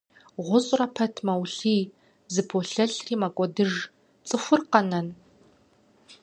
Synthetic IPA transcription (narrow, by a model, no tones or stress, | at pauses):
ʁʷʊɕʼrɐpʰɐtʰmɐwɬiː | zɨpʰoɬɐɬriːmɐkʷʼɔdɨʒ | t͡sʼɨxʷʊrqɐnɐn